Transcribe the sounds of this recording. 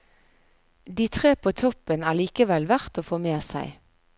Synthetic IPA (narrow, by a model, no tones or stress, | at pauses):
d̪iːt̪ʰʁeːpʰoːt̪ʰɔpənæːʁliːkəʋɛlʋæʁt̪oːfoːmeːsæɪ